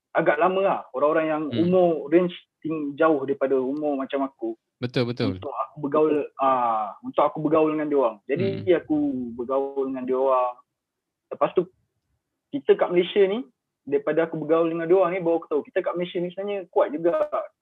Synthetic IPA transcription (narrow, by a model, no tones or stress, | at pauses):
aɡaʔlamə̃ahoɾaŋoɾaŋjaŋumɔɾɛnt͡ʃt̪iŋd͡ʒaʊhdaɾipadaumɔmat͡ʃamaku | bət̪ʊlbət̪ʊunlt̪ʊkakubəɡaʊlaunt̪ʊk̚akubəɡaʊldəŋandoaŋd͡ʒadiakubəɡaʊldəŋãndoaŋ | ləpast̪u | kit̪əkaʔməlesjəni | daɾipadaakubəɡauldəŋandoaŋnĩbawaku̥t̪aukit̪əkaʔməlesjənisunaɲəkuat̪̚d͡ʒuɡa